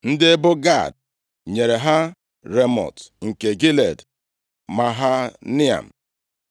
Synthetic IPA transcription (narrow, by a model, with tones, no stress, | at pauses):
n̩˦dɪ˦e˦bʊ˦ɡa̰˦˨d̚ | ɲe˨ɾe˨ɦa˦ | ɾe˦mɔ̰˨tŋ̩˨ke˨ɡi˦lḛ˨d | ma˨ɦa˦nɪ˦a̰˨m̩˨